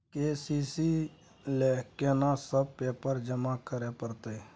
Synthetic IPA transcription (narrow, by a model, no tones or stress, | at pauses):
keːsiːsiː | lɛːkeːnãsəb̚peːpəɾd͡ʒəmakəɾeːpəɾt̪eː